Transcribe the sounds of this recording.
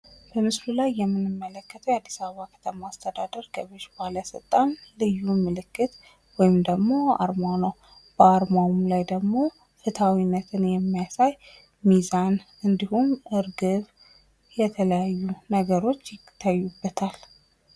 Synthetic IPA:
b̥əmɨslulajːɛmːɨnɨmːələkːət̪ʰəwad̪ːisaβəβakʰə̥t̪ʰəmaːst̪ʰəd̪ad̪əɾɡəβeʃbaləsɨ̰lt̪ʼanlɨjːumɨlɨkːɨt̪ | wɔjɪmd̪əɡmo̞a̰ɾmawnəw | b̥əaɾmawmlajd̪əɡmo̞ | fɨt̪ʰawinːət̪ʰɨnjɛmːijasaj | mizan | ɨnd̪ihumɨɾɡɨβ | jɛt̪ʰələjajːunəɡəɾo̞t͡ʃːjɪt̪ʰːajːubːət̪ʰal

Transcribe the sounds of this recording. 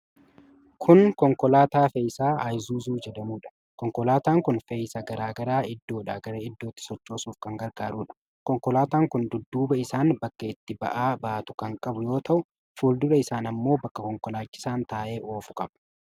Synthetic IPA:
kʰʊnkɔŋkɔlaːt̪aːfejsaːʔɐjzuːzuːd͡ʒɛd̪ɐmuːᶑɐ̥ | kɔŋkɔlaːt̪aːŋkʊnfejsɐɡɐɾaːɡɐɾaːɪd̪ːo̞ːᶑaːɡɐɾɐɪd̪ːo̞ːt̪ːɪ̥sɔt͡ʃːo̞ːsuːfkɐŋɡɐɾɡaːɾuːᶑɐ̥ | kɔŋkɔlaːt̪aːŋkʊnd̪ʊd̪ːuːbɐɪsaːnbɐkːɐɪt̪ːɪbɐ̰ʔaːbaːt̪ʊ̥kɐŋkʼɐbʊjo̞ːt̪ɐʔʊ | fuːld̪ʊᶑɐɪsaːnɐmːo̞ːbɐkːɐkɔŋkɔlaːt͡ʃːɪ̥saːnt̪aːʔe̞ːʔo̞ːfʊ̥kʼɐbɐ̥

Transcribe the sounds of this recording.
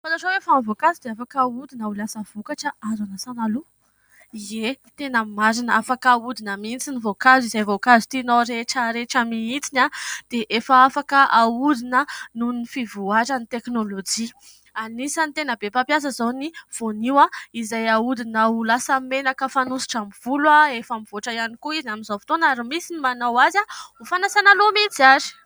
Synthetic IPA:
falaʈ͡ʂowefanvokazud̪eafakaud̪inaulasəv̥okaʈ͡ʂəazanasanalu | ie | t̪enəmaɾinəafakaud̪inəmint͡sinivokazizajvokazit̪inoɾeʈ͡ʂəɾeʈ͡ʂəmiit͡sinad̪̥eʔefəafakəʔaud̪inənunifivuaʈ͡ʂanit̪eknolod͡ʒi | anisənt̪enəbepapjas̬əzaniv̥oniwaizajaud̪inaulasəmenakəfanusi̥ʈ͡ʂamiv̥ulaefamiv̥oʈ͡ʂəjanikuiziaminzafi̥t̪onaɾimisinimanawazaufanasanalomit͡siaɾi̥

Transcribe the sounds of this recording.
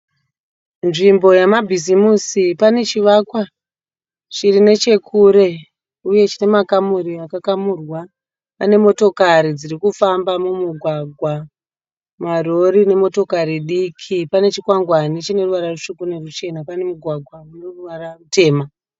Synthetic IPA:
nʐimbo̞jamabʱizimusipane̞t͡ʃiʋakwa | ʂirine̞t͡ʃe̞kʰuɾe̞ | uje̞t͡ʃine̞makamuriakakamurwa | pane̞mo̞to̞kaɾid͡zirikufambamumuɡʱwaɡʱwa | maro̞ɾine̞mo̞to̞kaɾiɗikʰipane̞t͡ʃikwaŋɡwanit͡ʃine̞ruʋaɾaruʂukune̞rut͡ʃe̞napane̞muɡʱwaɡʱwamunoruʋararute̞ːma

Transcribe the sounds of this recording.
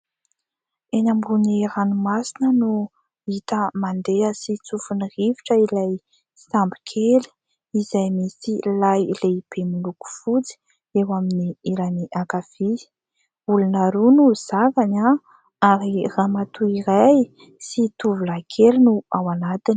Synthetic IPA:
enambuniɾanumasinənu | it̪əmand̪eəsit͡sufuniriviʈ͡ʂəilaj | sambi̥kʰeli̥ | izajmisilajleib̥emuluku̥fut͡si̥ | ewaminiiɾaniʔakav̥ii̥ | ulunaɾunuz̥akaɲa | aɾiramat̪uiɾaj | sit̪uvulakʰelinuawanat̪ini̥

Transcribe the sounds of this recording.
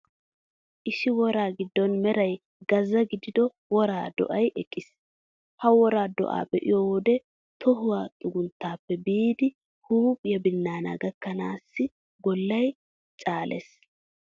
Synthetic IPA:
ʔɪʃɪwɔɾaːɡɪd̪ːɔnmɛɾɐj | ɡ̥ɐzɐɡɪd̪ɪd̪ɔ | wɔɾaːd̪ɔ̰ʔɐjʔɛkʼːɪs | hɐwɔɾaːd̪ɔ̰ʔa̰ːbɛʔɪ̰jɔːwɔd̪ɛ | t̪ɔɦʊwaːt̪ʼʊɡʊnt̪ːaːpːɛbiːd̪ɪ | huːpʼjɐbɪnːaːna̰ɡɐkːɐnaːsːɪ | ɡɔlːɐj | t͡ʃʼaːlʔɛ̰s

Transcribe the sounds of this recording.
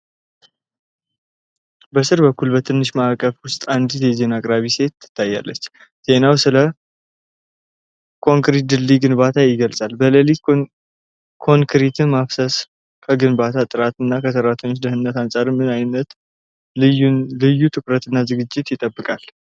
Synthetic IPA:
bəsɨɾbəkːulbət̪ʰɨnːɨʃmakʼəfwʊst̪ʼand̪ɨjɛze̞nakʼɾaβise̞t̪ːɨ̥t̪ʰːajːa̰lːət͡ʃː | z̥e̞nawsɨlə | kʰo̞ŋkɾit̪d̪ɨlːiɡɨnbat̪ʰajɪɡəlsʼalbələli | kʰo̞ŋkʰɾit̪ʰɨmafsəs | kʰəɡɨnbat̪ʰat̪ʼɨɾat̪ɨnːakʰəsəɾat̪ʰəɲot͡ʃd̪əɦɨnːət̪ansʼaɾɨnmɨnajnːət̪ | lɨjːut̪ʰɨkɾət̪ɨnːazɨɡɨd͡ʒːɪt̪jɪt̪ʼːəbːɨkʼal

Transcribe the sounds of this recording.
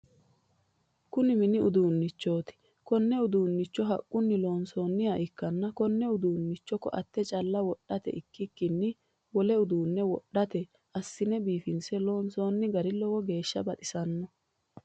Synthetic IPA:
kʊnɪmɪnɪʔʊ̰d̪uːnːɪt͡ʃːo̞ːt̪ɪ̥ | kɔnːɛʊd̪uːnːɪt͡ʃːɔɦɐ̰kʼːʊnːɪloːnso̞ːnːɪjɐʔɪkːɐnːɐkɔnːɛʊd̪uːnːɪt͡ʃːɔkːɔ̰ʔɐ̰t̪ːɛt͡ʃʼɐlːɐwɔɗːɐt̪ɛ̰ʔɪkːɪkːɪnːɪ | wɔlɛʊd̪uːnːɛwɔɗːɐt̪ɛ | ʔɐsːɪnɛbiːfɪnsɛloːnso̞ːnːɪɡɐɾɪlɔwɔɡe̞ːʃːɐbɐt̪ʼɪsɐnːɔ

